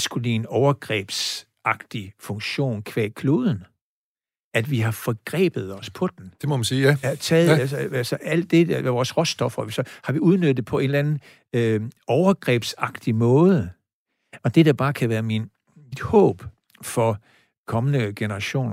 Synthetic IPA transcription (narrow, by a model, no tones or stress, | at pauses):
sɡ̥ulienɒʊɐɡ̥ʁɛ̰ːb̥s | ɑ̈ɡ̥̚d̥ifɔ̽ŋɕo̝̰ːnkʰʋɛ̰ːkʰloːðˠn̩ | æd̥ʋiɦɑ̈fɒɡ̥ʁɛ̰ːb̥ð̞̩ˠɒ̽spʰɒ̽d̥end̥emɔmænsiːæt͡sʰɛːðˠæsælsɒʔæl̰d̥e̝ʋɒːsʁɔ̽sd̥ɒ̽fɐsɒ̽hɑ̈ʋiuð̞ˠnød̥ð̩̥ˠepʰɒ̽e̝nlænn̩ | øɒʊɐɡ̥ʁɛ̰ːb̥sɑ̈ɡ̥̚d̥imɔ̽ːðˠə | ɒ̽d̥e̝d̥æb̥ɑ̈ːkʰæʋæːɐmin | id̥hɔ̰̽ːb̥ | fɒ | kʰɒ̽mənəɡ̥e̝nɐʁɑ̈ɕo̝̰ːn